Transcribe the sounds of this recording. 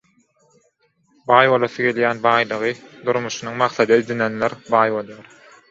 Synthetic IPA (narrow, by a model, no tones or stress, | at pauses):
bɑːjβolˠɑθɯɡe̞ljæːnbɑːjlˠɯʁɯd̪uɾmuʃunuŋmɑqθɑd̪ɑid̪inenleɾbɑːjβo̞lˠjɑɾ